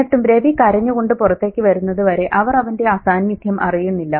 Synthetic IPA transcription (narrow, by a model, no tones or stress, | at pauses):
ɐʈːumɾe̞ʋikɐɾɐɲːuɣo̞ɳɖɨpurɐt̪ːe̞ːkʲːɨʋɐɾunːɐðɨʋɐɾe̞ʔɐʋɐrɐʋɐnde̞aːsaːnmid̪ʱjɐmʔɐrijunːilːɐ